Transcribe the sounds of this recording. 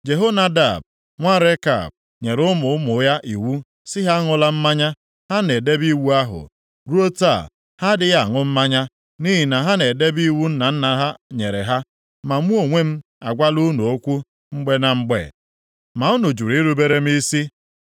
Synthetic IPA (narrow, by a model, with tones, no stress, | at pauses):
d͡ʒe˨ɦo˦na˦da˨b̚ | ŋʷa˦ɾe˦ka̰˨b̚ | ɲe˨ɾʊ˦mʊ˨ʊ˦mʊ˨˦ja˦ʔi˨wu˦ | sɪ˦ɦa˦ŋʊ˦la˦m̩˦ma˦ɲa˦ | ha˦ne˨de˦bi˦wu˦a˦ɦʊ̰˨ | ɾu˦o˦ta̰˦˨ | ha˦dɪ˦ɣa˦˨ŋʊ˦m̩˦ma˦ɲa˦ | ni˦ɦi˨na˨ɦa˦ne˨de˦bi˦wu˦n̩˦na˨n̩˦na˨ɦa˦ɲe˨ɾe˨ɦa˦ | ma˨m̩˦u˦o˨ŋʷe˦m̩˦ | a̰˨ɡʷa˦lu˦nu˨o˦kʷu˦ | ŋ͡m̩˦ɡ͡be˦na˨ŋ͡m̩˦ɡ͡bḛ˦˨ | ma˨ʊ˦nʊ˨d͡ʒu˨ɾi˦ɾu˦be˦ɾe˦m̩˦i˦si˦